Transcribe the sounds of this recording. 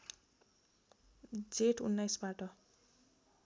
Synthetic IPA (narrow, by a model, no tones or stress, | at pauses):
d͡zeʈunːajsbaʈʌ